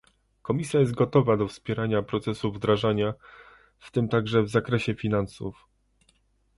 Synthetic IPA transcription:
kɔmʲisʲjajɛzt̪̚ɡɔt̪ɔvad̪ɔfspʲjɛɾaɲapɾɔt̪sɛsuvd̪ɾaʐaɲa | ft̪ɘmt̪aɡʐɛvzakɾɛɕɛfʲinansṵf

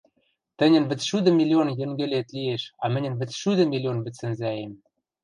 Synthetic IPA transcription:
t̪ɘ̆nʲɘ̆nβɘ̆t͡sʃyd̪ə̆mʲilʲionjɘ̆ŋɡɘ̆lʲet̪lieʃɑmɘ̆nʲɘ̆nβɘ̆t͡sʃyd̪ə̆mʲilʲionbɘ̆t͡sːɘ̆nzæjem

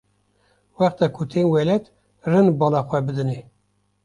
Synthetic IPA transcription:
wæχt̪ækʰut̪ʰenwɛlɛt̪ | rɨnbɑlɑxʷæbɨd̪ɨne

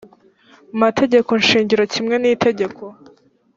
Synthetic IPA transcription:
umatʰe̞ɟe̞ko̞nʃiːɲɟiɾocimŋe̞niːtʰe̞ɟe̞kʰo̞

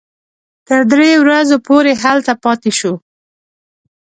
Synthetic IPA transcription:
t̪əɾd̪ɾewɾazopoɾeɦalt̪apɑt̪eʃu

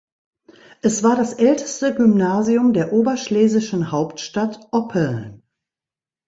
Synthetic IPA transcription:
ʔɛsv̥aːɐdasʔɛltʰə̥stəɡymnaːziʊmdeːɐʔoːbɐʃleːzɪʃn̩haʊptʃtatʔɔpʰl̩

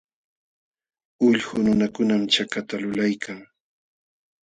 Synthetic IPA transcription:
ʊʎhʊnʊnakʊnamt͡ʃakat̪alʊlajkʰaŋ

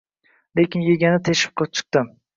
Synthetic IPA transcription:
lekʲɪnjeɡʲanɪt̪ʰeʃɪ̥p̚qʰop̚t͡ʃʰɨ̥q̚t̪ɪm

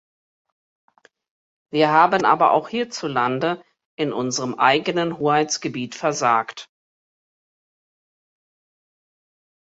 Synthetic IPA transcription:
viːɐɦaːbənʔa̰ːbɐʔa̰ʊxhiːɐt͡sulandə | ʔɪnʔʊnzəʁəmʔa̰ɪɡənənhoːhaɪt͡sɡ̥əbiːtfɛɐzaːkt

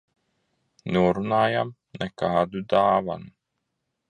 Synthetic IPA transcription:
nuːɾunaːjam | nɛkaːd̪ud̪aːʋa̰n

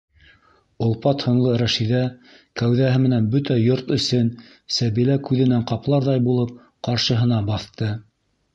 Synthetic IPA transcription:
ŏlˠpɑt̪hŏnlˠɤɾæʃiðæ | kæwðæɦɘmɘ̆nænbɵt̪æjoɾt̪ɵ̆sɵn | sæβilækʉðɘ̆næŋqɑplˠɑɾðɑjbulˠɤp̚ | qɑɾʃɤ̆ɦɤ̆nɑbɑθt̪ɤ

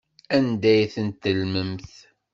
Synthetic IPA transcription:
ænd̪æjθənt̪ːəlməmθ

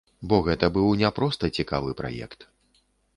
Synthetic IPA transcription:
bɔɣɛt̪ɐbɨwnʲapɾɔst̪ɐt͡sʲikavɨpɾa̰jɛ̰kt̪

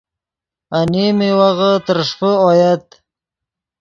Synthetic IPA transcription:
animewaɣət̪əɾʂpəɔjat̪

